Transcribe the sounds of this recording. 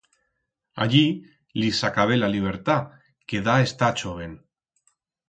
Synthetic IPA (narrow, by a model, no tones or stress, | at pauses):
a̰ʎi | lisakaβ̞elaliβ̞eɾt̪a | keðaest̪at͡ʃoβen